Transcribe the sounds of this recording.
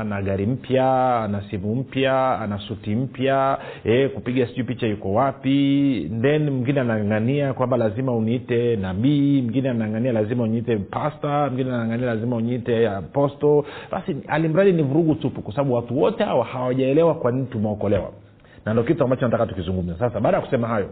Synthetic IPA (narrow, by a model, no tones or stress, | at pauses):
naɠaɾim̩pjaanasimum̩pjaanasutim̩pjaɛkupiɠasiupit͡ʃajukɔwapindɛnm̩ŋɡinɛanaŋɡaniakwambalazimauniitɛnaɓim̩ɡinɛanaŋɡanialazimauniitɛpastamuɡinɛanaŋɡanialazimauniitɛpɔstɔɓa̰sia̰lim̩ɾaðinivuɾuɠutupukwasaɓaɓuwatuwɔtɛha̰wahawaʄaɛlɛwakwan̩tumaɔkɔlɛwa̰ | nandɔkituambat͡ʃɔnatakatukizuŋɡum̩zasasaɓaːɗajakusɛmaɦajɔ